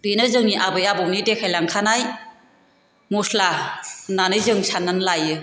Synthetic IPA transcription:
binɯzɯŋniʔabɯjabɔmnidekʰajlaŋkʰanaj | muslananɯjzɯŋsanːanlajɯ

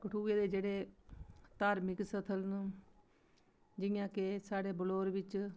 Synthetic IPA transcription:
kəʈʰuːeːd̪eːd͡ʒeːɽeː | t̪aːɾmɪksət̪ʰəln | d͡ʒɪjãːkesaːɽeːbəloːɾʋɪt͡ʃ

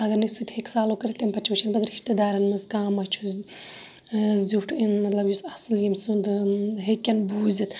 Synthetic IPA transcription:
ɐɡɐɾnisut̪ʲheksaːlokɐɾit̪empɐt͡ʃʰut͡ʃʰɐnbɐd̪ɾiʃt̪id̪aːɾɐnmɨzkãːmɐt͡ʃʰu | zuʈʰinmɐt̪lɐbjusɐsɨljimsund̪ɦekʲːɐnbuːzit̪

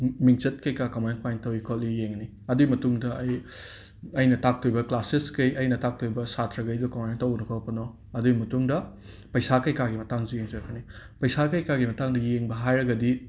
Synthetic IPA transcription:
mik̚t͡ʃɐt̚kɐjkakɐmajnkwajntɐwikʰolːijeŋni | ɐduɡimɐtuŋdɐːj | ɐjnɐtak̚tʰojbɐklaseskejɐjnɐtak̚tʰojbɐsatʰɾɐɡɐjdukɐmajntɐwɡnɐkʰawpɐnɔ | ɐduɡimɐtuŋdɐ | pɐjsakɐjkaɡimɐtaŋzujeŋzɐɾɐpʰɐni | pɐjsakɐjkaɡimɐtaŋdɐjeŋbɐɦajɾɐɡɐdi

